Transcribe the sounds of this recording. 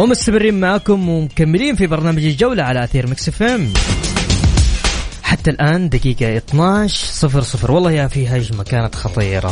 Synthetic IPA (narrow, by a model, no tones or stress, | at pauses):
wɪmʊst̪amɪrːiːnmaʕkʊmwɪmkamːɪliːnfibɑɾˤnaːmad͡ʒald͡ʒawlaʕalaʔaθiːɾmɪksɪfam | ħat̪ːalʔaːnd̪akiːɡaʔɪt̪ˤnaʃsˤɨfɾsˤɨfɾwɑlˤːɑːhjafiːɦaʃmakaːnat̪xɑt̪ˤiːɾˤɑ̰